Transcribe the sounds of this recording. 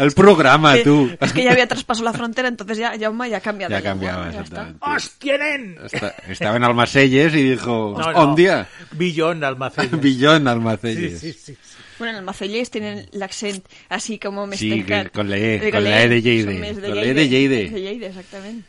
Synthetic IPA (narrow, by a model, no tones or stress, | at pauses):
elpɾoɣ̞ɾamat̪ueskeʝaβiat̪ɾaspasaolaffɾont̪eɾaent̪onθezʝaʝamaʝakambjaðd͡ʒakambjaβaḛsat̪amẽnt̪eost̪jenenḛst̪aest̪aβaenalmaseʎes̬iðixoond̪jabiʎonalmaθbiʎonalmaθeʎes | bwenoenalmaθeʎest̪jenenlaksent̪ | asikomomesikkkonleekolleeðeʎejðeesðoleðeʎejðeeʎejðeesak̚t̪amẽnt̪